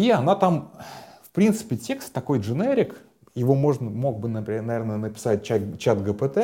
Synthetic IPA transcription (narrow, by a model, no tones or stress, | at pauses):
iɐnat̪amfpɾʲint̪sɨ̥pʲɪtʲekst̪ːɐko̞jʐɨneɾʲɪk | jɪvo̞mo̞ʐnəmo̞ɡ̚bɨnəpʲnɐvʲernənəpʲɪ̥sat̚ʲt͡ɕat͡ɕat̪ɡəpət̪ɛ